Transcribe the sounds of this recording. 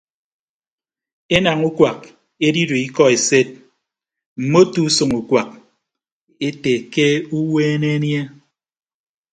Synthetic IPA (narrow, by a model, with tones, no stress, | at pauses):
e˦na˨ŋu˦kwa˨k̚ | e˦di˦do˨i˦kɔ˦e˨se˦t̚ | m̩˨mo˦tu˦so˨ŋu˨kwa˨k̚ | e˦te˨ke˦u˦weː˦ne˦nje˦